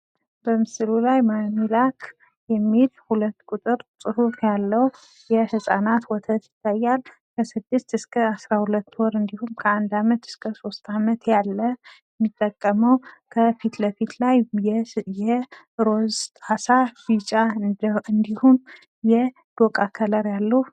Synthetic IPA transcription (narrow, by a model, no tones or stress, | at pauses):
bəmɨsɨlulajmamilakʰ | jɛmːilhulət̪ːkʼut̪ʼɨɾsʼɨhufjalːəw | jɛhɨsʼanat̪wɔt̪ʰət̪jɪt̪ʰːajːal | kʰəsɨd̪ːɨst̪ɨskʰəasɾahulət̪ːɔɾɨnd̪ihumkʰəand̪amət̪ɨ̥skʰəso̞st̪ʰamət̪jalːəjɛmːit̪ʼːəkʼːəməwkʰəfit̪ləfit̪laj | jɛ | ɾozt̪ʼasabit͡ʃʼaɨnd̪ihum | jɛ | d̪̥okʼakʰələɾjalːə